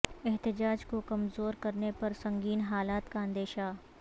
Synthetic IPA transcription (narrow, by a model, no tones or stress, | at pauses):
ɛɦt̪ɪd͡ʒaːd͡ʒkokɐmzoːɾkɐɾnepɐɾsɐ̃ŋɡiːnɦaːlaːt̪kaə̃nd̪eːʃa